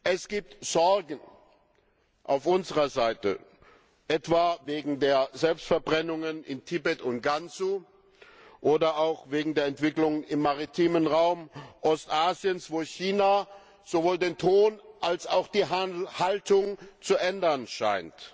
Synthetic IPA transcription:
ʔɛsɡ̥iːp̚tz̥ɔɐɡŋ̩ | ʔa̰ʊfʔʊnzəʁɐzaɪtə̰ | ʔɛtv̥aːveːɡŋ̩deːɐzɛlpstfɛɐbʁɛnʊŋənʔɪ̰ntʰɪbɛtʊntɡ̥ant͡su | ʔoːdɐʔaʊxv̥eːɡŋ̩deːɐɛntv̥ɪklʊŋɪmːaʁitʰiːmənʁaʊmʔɔstʔaːzjənsv̥oːçiːna | z̥ovoːldeːntʰoːnʔalsaʊxd̥iːɦhaltʊŋt͡suʔɛndɐnʃa̰ɪnt

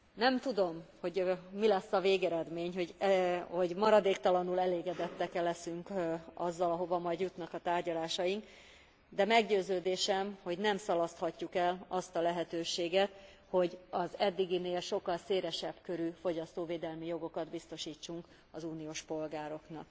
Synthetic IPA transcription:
nɛmt̪ud̪o̞mho̞ɟmilɛsːɒveːɡɛɾɛd̪meːɲho̞ɟho̞ɟmɒɾɒd̪eːkt̪ɒlɒnulɛleːɡɛd̪ɛt̪ːɛkɛlːɛsyŋkɒzːɒlɒɦo̞vɒmɒjd̪jut̪nɒkɒt̪aːrɟɒlaːʃɒjiŋk | d̪ɛmɛɡɟøːzøːd̪eːʃɛmho̞ɟnɛmsɒlɒst̪hɒcːukɛlɒst̪ɒlɛɦɛt̪øːʃeːɡɛt̪ | ho̞ɟɒzɛd̪ːiɡineːlʃo̞kːɒlseːɾɛʃɛbkø̞ɾyfo̞ɟɒst̪oːveːd̪ɛlmijo̞ɡo̞kɒd̪bist̪o̞ʃiːt͡ʃːuŋk | ɒzuːnijoːʃpo̞lɡaːɾo̞knɒ̰k̚

